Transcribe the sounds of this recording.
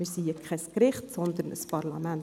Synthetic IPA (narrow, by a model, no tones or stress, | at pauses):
ɪɾsiəkʰɛskɾɪχtsɔnd̪əɾnə̰spɑrlɑmæn